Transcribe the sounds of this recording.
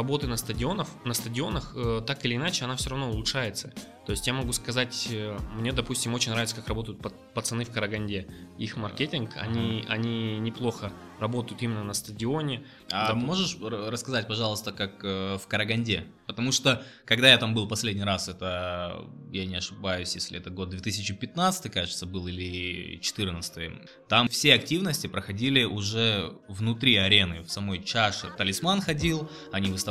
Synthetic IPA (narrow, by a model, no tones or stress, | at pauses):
rɐbo̞t̪ɨnəst̪ədʲɪo̞nəfnəst̪ədʲɪo̞nəxət̪akɪlʲɪːnat͡ɕɪɐnafsʲoɾɐvno̞ʊlˠʊʂajɪt̪sə | t̪o̞ɪsʲtʲjamɐɡuskɐzatʲəmnʲe̞d̪ɐpusʲtʲɪmo̞t͡ɕɪnʲɾavɪt̪səkakrɐbo̞t̪əjʊt̪̚pə | pət̪sɨnɨfkəɾəɡɐnʲdʲeixmɐrkʲetʲɪnkɐ̰nʲiɐ̰nʲinʲɪplˠo̞xə | rɐbo̞t̪əjʊt̪imʲɪnːənəst̪ədʲɪo̞nʲɪ | amo̞ʐɨʂrəskɐzat̚ʲpɐʐɑlˠəst̪əkakəfkəɾəɡɐnʲdʲe | pət̪ɐmuʂt̪o | kɐɡd̪ajat̪ambɨlˠpɐsʲlʲedʲnʲijɾasɛt̪ə | janʲɪɐʂɨbajʉsʲjesʲlʲɪɛt̪əɡo̞d̪̚d̪vʲet̪ɨsʲɪt͡ɕɪpʲɪt̪nat̪sɨ̥t̪ɨjkaʐɨt̪səbɨlˠilʲɪt͡ɕɪ̥t̪ɨrnət̪st̪ɨj | t̪amfsʲeɐk̚tʲivnəsʲtʲɪpɾəxɐdʲilʲɪʔʊʐɛvnʊt̪ɾʲiɐɾʲe̞nɨfsɐmo̞jt͡ɕaʂɨ̰t̪ɐlʲɪsmanxɐdʲilˠ | ɐnʲivɨst̪ɐ